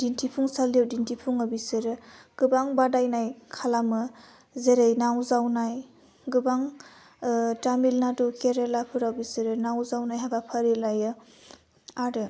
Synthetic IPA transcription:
d̥intʰipʰuŋsalijawdintʰipʰuŋɯbisɯɾɯ | ɡ̥ɯbaŋbadajnajkʰalamɯ | zeɾejnawzawnaj | ɡɯbaŋ | tamilnadukeɾelapʰɯɾawbisɯɾɯnawzawnajɦabapʰəɾelajɯ | aɾɯ

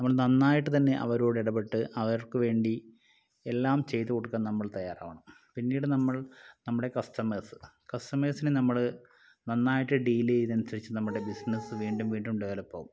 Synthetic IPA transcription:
nɐmːɐɭnɐnːaːjiʈːɨt̪̬ɐnːe̞ʔɐ̰ʋɐɾoːɽiɽɐpe̞ʈːɨʔɐʋɐɾrkɨʋe̞ːɳɖi | elːaːmt͡ɕe̞jt̪ːɨkoɽukʲːannɐmːɐɭt̪ɐjːaːra̰ːʋɐɳɐm | pinːiːɽɨnɐmːɐɭnɐmːuɽe̞kɐstɐmeːsɨ̥ | kɐstɐmeːsinɨnɐmːɐɭ | nɐnːaːjiʈːɨɖilijðɐnusɐɾit͡ɕːɨnɐmːuɽe̞bisnesɨʋiːɳɖumʋiːɳɖumɖeʋɐlɐpːo̰ːu

